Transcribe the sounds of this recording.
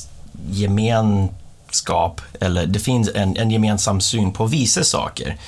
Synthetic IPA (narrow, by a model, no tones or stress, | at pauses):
jɛmeːn | skɑːpɛlːəɖ̪ɛfɪnsɛnɛnjɛmeːnsamsyːnpʰɔvɪsːəsɑ̰ːkə̰ɾ